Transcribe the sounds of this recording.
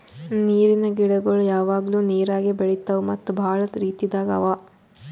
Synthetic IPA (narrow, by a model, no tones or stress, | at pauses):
niːɾinɐɡiɽɐɡɐɭujaːʋaːɡɐluːniːɾaːɡebeɭit̪ːɐʋumɐt̪ːubʱaːɭɐɾiːt̪jid̪aːɡɐɐ̰ʋaː